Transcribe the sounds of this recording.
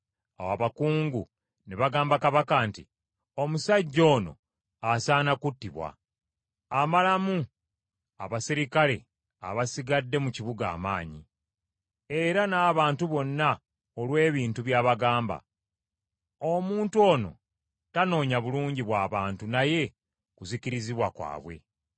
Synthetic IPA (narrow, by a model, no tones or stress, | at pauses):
a̰waβakuːŋɡu | neβaɡaːmbakaβakantḭ | o̞musaɟːo̞ːno̞̰ | asaːnakutːiβwa̰ | amalamu | a̰βasiɾikale̞̰ | a̰βasiɡadːe̞muciβuɡa̰ːma̰ːɲi | e̞ɾanaːβaːntuβo̞nːa | olwe̞ːβiːntuβjaːβaɡaːmba̰ | omuːntuo̞ːno̞̰ | tano̞ːɲaβuluːɲɟiβwaːβaːntunaje̞ | kuziciɾiziβwakwa̰ːβwe̞̰